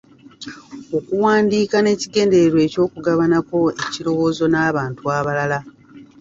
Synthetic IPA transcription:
o̞kuwaːndiːkane̞ːciɡe̞ːnde̞eɾwe̞ːco̞ːkuɡaβanako̞eciɾo̞wo̞ːzo̞naːβaːntuaβalala

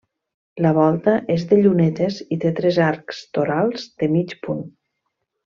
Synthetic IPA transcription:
ləβ̞ɔlˠt̪əʔezðeʎunet̪ezit̪et̪ɾezaɾkst̪oɾalˠzd̪emit͡ʃpun

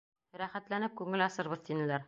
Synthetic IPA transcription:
ɾæχæt̪lænɘp̚kʉŋɘlɑsɤ̆ɾβɤðt̪inɘ̆læɾ

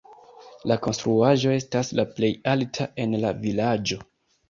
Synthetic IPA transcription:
lako̞nstɾuaʒo̞e̞staslaple̞jaltʰaʔe̞nlavilad͡ʒo̞

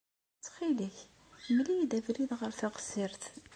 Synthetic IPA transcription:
t͡sːχiliç | mlijd̪ævɾiðʁəɾθəʁsiɾt̪

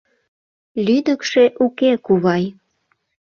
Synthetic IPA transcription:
lyd̪əkʃeʔukekuβɑj

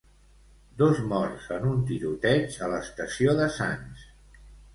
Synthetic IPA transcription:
d̪ozmɔrsənunt̪iɾut̪ɛt͡ʃələst̪əsioðəsa̰ns

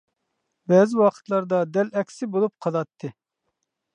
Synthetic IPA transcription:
bɛːzɪwɑqʰə̥t̪lˠɑɾd̪ɑd̪ɛlɛkʲsɪbolˠup̚qʰɑlˠɑt̪ʰːɨ

